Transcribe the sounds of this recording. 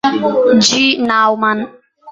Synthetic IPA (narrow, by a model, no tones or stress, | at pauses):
d͡ʒinawman